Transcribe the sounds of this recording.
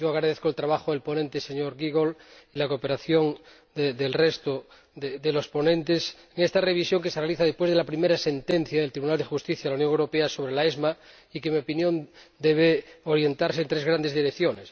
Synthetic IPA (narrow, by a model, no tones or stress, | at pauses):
oaɣɾaðeθkoelt̪ɾaβaxoelpo̞nẽnt̪ese̞ɲoɾɣiɣo̞lilakope̞ɾaθjo̞ŋ | d̪ed̪elrest̪o | ðed̪elo̞spo̞nẽ̞nt̪eseŋest̪areβ̞isjo̞ŋke̞serealiθaðespwe̞zð̞elapɾime̞ɾase̞nt̪e̞n̟θjaðelt̪ɾiβunald̪exust̪iθjaðlaunjoŋewɾopeaso̞β̞ɾelaezma | ikemiopinjõ̞nd̪eβ̞eoɾje̞nt̪aɾsent̪ɾezɣɾand̪e̞zðiɾekθjones